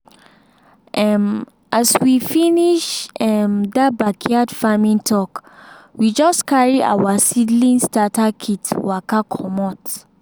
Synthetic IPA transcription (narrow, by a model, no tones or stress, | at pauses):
ʔɛm | ʔaswifiniʃɛmdabakʰiadfamĩntʰɔkwid͡ʒɔstkʰaɹiʔa̰wasidlĩnstatakʰitwakakʰɔmɔt